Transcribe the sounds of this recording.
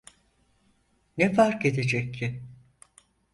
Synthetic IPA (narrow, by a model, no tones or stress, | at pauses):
nɛfaɾke̞d̪ed͡ʒɛcːɪ